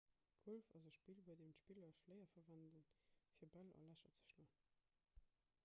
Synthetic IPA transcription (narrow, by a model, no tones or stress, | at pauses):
ɡ̥olfɑzəʃpiːlhuəɐdemtʃpilɐʃlɜɪɐfɐvændənfiːɐbælɑ̰læʃɐt͡sə̥ʃloən